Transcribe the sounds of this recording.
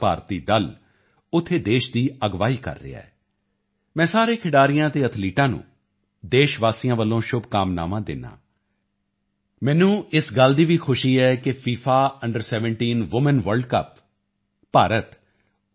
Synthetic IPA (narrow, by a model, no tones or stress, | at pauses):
paːɾt̪iːd̪əl | ʊt̪ʰːeːd̪eːʃd̪iːəɡʋaːiːkə̰ɾːɪ̰ːa̰ɛː | mɛ̃ːsaːɾeːkʰɪɽaːɾɪjãːt̪eːət̪ʰliːʈãːnṵ̃ː | d̪eːʃʋaːsijãːʋəlːõːʃʊbkaːmna̰ːmãːd̪ɪ̰nːã̰ː | mɛ̃ːnũːɪsɡəld̪iːʋiːkʰʊʃiːɛːkɪpʰiːpʰaːəɳɖəɾsɛːʋə̃ɳʈiːnʋʊmənʋəɾɖkə̰pː | aːɾət̪